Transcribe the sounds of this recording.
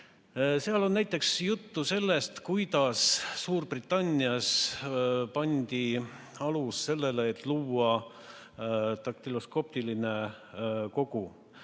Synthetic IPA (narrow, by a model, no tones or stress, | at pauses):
seɑlo̞nːæjt̪ːˑe̞ksjut̪ːuse̞lːe̞st̪kujd̪ɑsːuːrbrit̪ːˑɑnʲːiɑs | pɑnʲd̪̥i | ɑlusse̞lːe̞le̞ːt̪ˑluːɑ | t̪ɑk̚t̪ilosko̞p̚t̪iline̞ | ko̞ɡ̥u